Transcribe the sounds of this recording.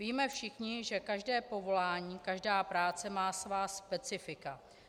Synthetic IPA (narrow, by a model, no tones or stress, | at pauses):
viːmɛfʃɪxɲɪʒɛkaʒdɛːpo̞vo̞laːɲiːkaʒdaːpɾaːt͡sɛmaːsvaːspɛt͡sɪfɪka